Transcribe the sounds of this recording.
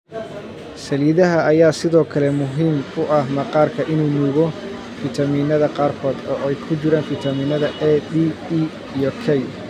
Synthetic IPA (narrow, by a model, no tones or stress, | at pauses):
sɐliːðɐɦɐːjaːsɪðɔːkʰɐlɛmʊɦiːmʊʔɐhmɐqɑːrkʰɐʔɪnuːnuːɣɔ | fit̪ʰɐmiːnɐðɐqɑːrkʰɔːd̪ɔːɛjkʰʊt͡ʃɪɾaːnfit̪ʰɐmiːnɐðɐʔɛd̪ii | ijɔkʰɛj